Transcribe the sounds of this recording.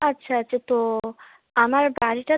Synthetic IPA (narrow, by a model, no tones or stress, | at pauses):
atːɕʰaaɕʰat̪o | amaɾbaɾiʈa